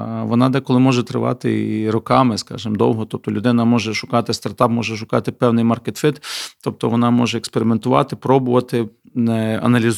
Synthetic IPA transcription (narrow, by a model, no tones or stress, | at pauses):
ʋɔnɑd̪ɛkɔlˠɪmɔʒɛt̪ɾɪ̰ʋɑ̰t̪ɪ̰ɾɔkɑmɪskɑ̰ʒɪmd̪ɔ̰wɦɔt̪ɔp̚t̪ɔlʲʊd̪ɪnɐmɔʒɛʃʊkɑt̪ɪst̪ɐrt̪ɑp̚mɔʒɛʃʊkɑt̪ɪpɛwnɪjmɐrket̪fɪt̪t̪ɔp̚t̪ɔʋɔnɑmɔʒɛːkspeɾʲɪment̪ʊʋɑ̰t̪ɪpɾɔbʊʋɐt̪ɪ | nɛɐ̰nɐlʲiz